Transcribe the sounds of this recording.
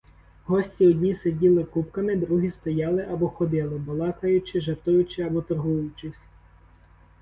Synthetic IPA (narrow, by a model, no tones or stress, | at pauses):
ɦɔsʲtʲiɔdʲnʲisedʲilˠɪkupkɐmɪd̪ɾuɦʲist̪ɔjɑlˠɪʔɐbɔxɔd̪ɪlˠɪbɔlˠɑkɐjʊt͡ʃɪʒɐrt̪ʊjʊt͡ʃɪɐbɔt̪ɐrɦujʊt͡ʃɪsʲ